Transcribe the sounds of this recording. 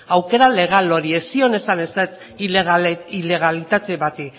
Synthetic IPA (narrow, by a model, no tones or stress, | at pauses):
awke̞ɾale̞ɣ̞aloɾie̞sio̞ne̞saneset͡s̪ | ɣile̞ɣalit̪at̪e̞βat̪i